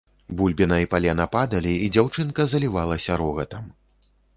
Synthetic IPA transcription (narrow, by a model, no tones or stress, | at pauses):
bulʲbʲinɐipalʲɛnɐpad̪ɐlʲiid͡zʲawt͡ʂɨnkɐzɐlʲivalˠɐsʲɐɾɔɣɐt̪ɐm